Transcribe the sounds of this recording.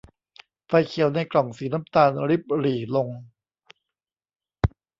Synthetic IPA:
fa˧jkʰi˨˩˦əwna˧jklɔ˨˩ŋsiː˩˦na˦˥mt̪aː˧nɾi˦˥p̚ɾiː˨˩lo˧ŋ

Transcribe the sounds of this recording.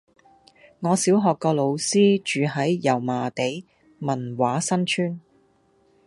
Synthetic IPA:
ŋɔː˨˧siː˨˥wɦɔː˨kːɔː˧lo˨˧wsiː˥t͡ʃyː˨˧ɦɐ˨˥jjɐ˨˩wmaː˨t̪e˨˥j | mɐ˨˩nwaː˨˥sɐ˥nt͡ʃʰyː˥n

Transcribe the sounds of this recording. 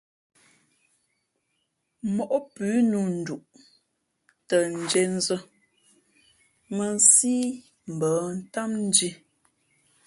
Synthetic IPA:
mɔ˨ʔɔ˦pʉː˨˦nu˨n̩˨du˨ʔ | tə˨n̩˨d͡ʒe˨n˦zə˦ | mə˨n˦siː˦ | m̩˨bəː˨˦n̩˦ta˦mn̩˦d͡ʒi˦

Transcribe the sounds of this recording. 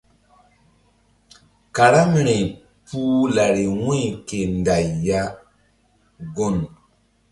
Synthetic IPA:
ka˨ɾa˦m˨ɾe˨ | puː˦la˨ɾi˨wĩ˦˨ke˨nda˨jːa˦ | ɡo˦˨n

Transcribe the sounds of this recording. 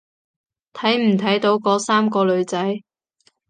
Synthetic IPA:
t̪ʰɐ˨˥jm̩˨˩t̪ʰɐ˨˥jt̪o˨˧˥wkɔː˨˥saː˥mkɔː˧lɵ˨˧ɥt͡sɐ˨˥j

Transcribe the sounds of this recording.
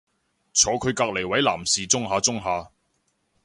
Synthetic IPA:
t͡sʰɔː˨˧kʰɵ˨˧ɥkaː˧k̚le˨˩jwɐ˨˥jla̰ː˨˩msiː˨t͡sʊ˥ŋɦaː˨˧t͡sʊ˥ŋɦaː˧

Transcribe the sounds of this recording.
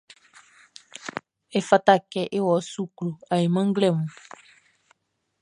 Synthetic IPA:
e˨fa˨ta˦˨kɛ˦ʔe˦wɔ˨˦su˦klo˨a˨je˨mã˦ŋ̩˦ɡlɛ˦˨mũ˨

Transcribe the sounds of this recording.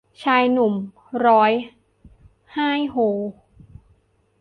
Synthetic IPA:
t͡ɕʰaː˧jnu˨˩m | ɾɔː˦˥j | haː˥˩jhoː˨˩

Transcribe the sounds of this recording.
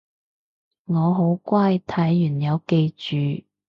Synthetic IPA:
ŋɔː˨˧ɦo˨˧˥wkʷaː˥jt̪ʰɐ˨˥jːyː˨˩njɐ˨˧wke˧jt͡ʃyː˨

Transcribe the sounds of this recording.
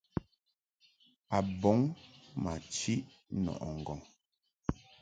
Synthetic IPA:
a˨bɔ˨˦ŋma˨t͡ʃi˦ʔ | nɔ̰˨ʔɔ˨ŋ̩˨ɡɔ˨ŋ

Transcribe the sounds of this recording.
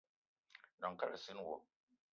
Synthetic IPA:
nɔ˨ŋ˨ka˦la˨sɪ˦n˦wo˨

